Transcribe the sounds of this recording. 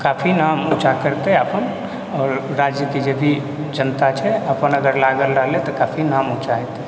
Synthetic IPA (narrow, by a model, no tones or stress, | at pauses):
kapʰinamut͡ʃakəɾt̪ɛəpən | ɔːɾɾad͡ʒjik̪ed͡ʒebʱi | d͡ʒənt̪at͡ʃʰɛəpənəɡəɾlaɡəlɾəɦlɛt̪ɔkapʰinamut͡ʃaɦɛt̪ɛ